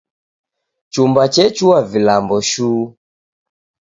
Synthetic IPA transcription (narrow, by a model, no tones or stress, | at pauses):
t͡ʃumbat͡ʃɛt͡ʃuavilambɔʃuː